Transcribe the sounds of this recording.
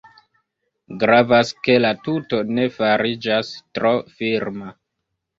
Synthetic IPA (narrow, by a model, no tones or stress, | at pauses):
ɡɾavaske̞latuto̞ne̞faɾid͡ʒastɾofiɾma